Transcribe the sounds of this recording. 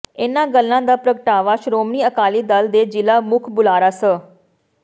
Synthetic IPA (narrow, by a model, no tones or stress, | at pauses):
ɪnãːɡəlːãːd̪aːpɾəkəʈaːʋaːʃɾoːmniːəkaːliːd̪əld̪eːd͡ʒɪlaːmʊkʰbʊlaːɾaːsə